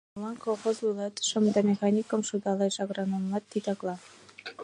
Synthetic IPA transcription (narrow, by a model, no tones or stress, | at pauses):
lɑnkoxozulˠɑt̪ʃə̆md̪ɑmʲexɑnʲikə̆mʃud̪ɑleʃɑɣɾɑnɤmlɑt̪ːit̪ɑklˠɑ